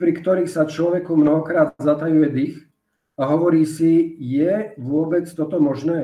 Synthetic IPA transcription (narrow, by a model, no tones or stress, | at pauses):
pɾikt̪ɔɾiːxsat͡ʃlɔʋɛkumnɔɦɔkɾaːd̪zat̪ajujɛd̪ix | aɦɔʋɔɾiːsijɛʋʊɔbɛt͡st̪ɔt̪ɔmɔʒnɛː